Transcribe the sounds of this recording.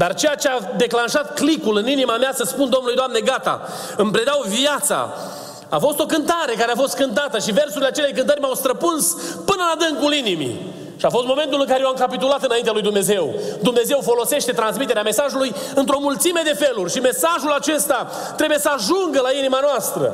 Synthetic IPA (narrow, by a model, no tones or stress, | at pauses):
d̪art͡ʃe̞jat͡ʃead̪e̞klanʃat̪klikulɨninimameasəspund̪o̞mnulujd̪oamne̞ɡat̪a̰ | ɨmpɾe̞d̪awviat̪sa̰ | a̰fo̞st̪o̞kɨnt̪aɾe̞kaɾeafo̞st̪̚kɨnt̪at̪əʃive̞rsuɾileat͡ʃelejkɨnt̪əɾmawst̪ɾəpunspɨnəlad̪ɨŋkulinimḭ | ʃiafo̞st̪̚mo̞me̞nt̪ulɨŋkaɾejeowamkapit̪ulat̪ɨnaint̪ealujd̪umne̞ze̞wd̪umne̞ze̞wfo̞lo̞se̞ʃt̪e̞t̪ɾans̬mit̪eɾeame̞saʒuluj | ɨnt̪ɾo̞mult̪sime̞d̪e̞fe̞lurʲʃime̞saʒulat͡ʃe̞st̪a | t̪ɾe̞buje̞səaʒuŋɡəlainimanoast̪ɾə̰